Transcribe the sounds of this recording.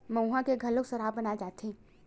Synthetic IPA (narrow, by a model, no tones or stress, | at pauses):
məwɦãkeɡʱɐloksɐɾaːbɐnaed͡ʒaːt̪ẽː